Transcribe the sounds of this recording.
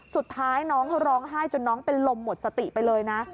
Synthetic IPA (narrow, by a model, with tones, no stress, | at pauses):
su˨˩t̪ʰːaː˦˥jnɔː˦˥ŋɾɔː˦˥ŋɦaː˥˩jt͡ɕo˧nːɔː˦˥ŋpe˧nlo˧mːo˨˩t̪̚sa˧t̪i˨˩pa˧jlɤː˧jna˦˥